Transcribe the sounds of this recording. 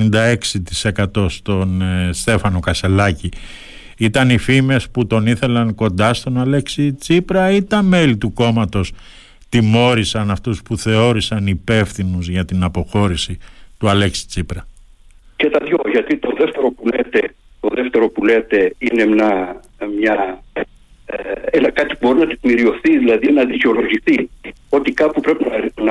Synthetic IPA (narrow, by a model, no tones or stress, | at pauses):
ind̪ɐe̞ksit̪i̥se̞kɐt̪o̞st̪o̞nst̪e̞fɐno̞kɐse̞lɐci | it̪ɐnifime̞sput̪o̞niθe̞lɐŋko̞nd̪ɐst̪o̞nɐleksit͡sipɾɐit̪ɐme̞lit̪uko̞mɐt̪o̞s | t̪imo̞ɾisɐnɐft̪uspuθe̞o̞ɾisɐnipe̞fθinuzʝɐt̪inɐpo̞xo̞ɾisit̪uɐle̞ksi̥t͡sipɾɐ | cet̪ɐðʝo̞ʝɐt̪it̪o̞ðe̞ft̪e̞ɾo̞pulet̪e | t̪o̞ðeft̪e̞ɾo̞pule̞t̪e̞ine̞mɲɐ | mɲɐ | enɐkɐt̪i̥pubo̞ɾinɐt̪ik̪miɾio̞θiðilɐðinɐðiceo̞lo̞ʝiθio̞t̪ikɐpupɾepinɐn